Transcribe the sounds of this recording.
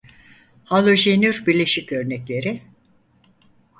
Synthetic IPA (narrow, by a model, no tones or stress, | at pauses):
halˠoʒenyɾbiɾlʲe̞ʃicø̞ɾnɛclʲe̞ɾɪ